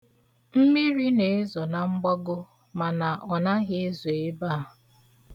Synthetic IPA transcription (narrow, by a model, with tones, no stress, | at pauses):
m̩˦mi˦ɾi˦ne˨˦zɔ˨na˨ŋ͡m̩˦ɡ͡bɔ˦ɡʊ˦ | ma˨na˨ʔɔ˨na˦ɣɪ˦e˦zo˨e˦ba˦a˨